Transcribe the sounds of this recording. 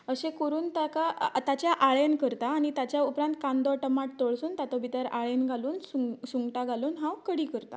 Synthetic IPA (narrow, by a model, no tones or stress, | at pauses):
əɕẽkoɾuːnt̪akat̪at͡ɕjaʔaɭenkəɾt̪aːɽ̃it̪at͡ɕjaupɾãnt̪kãnd̪ɔʈəmaʈ̚t̪oɭsuːnt̪at̪ɔbʱit̪əɾaɭenɡʱaluːnsusuŋɡʈaɡʱaluːnɦãwkəɽiːkəɾt̪a̰